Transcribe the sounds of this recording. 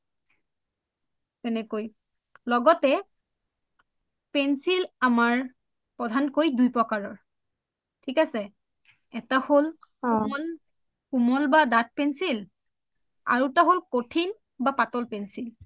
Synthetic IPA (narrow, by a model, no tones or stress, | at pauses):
tɛnɛkoj | lɔɡɔtɛ | pɛnsilamaɹ | pɹɔdʱankojdujpɹɔkaɹɔɹ | tʰikasɛ | ɛtaholɔl | kumɔlbadat̚pɛnsil | a̰ɹutaɦolkotʰin | bapatɔlpɛnsil